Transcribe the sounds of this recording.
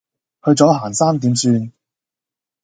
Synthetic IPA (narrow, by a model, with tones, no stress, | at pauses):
hɵ˧ɥt͡sɔː˨˥haː˨˩nsaː˥mt̪iː˨˥msyː˧n